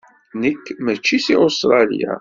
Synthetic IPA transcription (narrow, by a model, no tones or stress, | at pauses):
nəkːmæt͡ʃːisiost̪ɾˤɑlḭja̰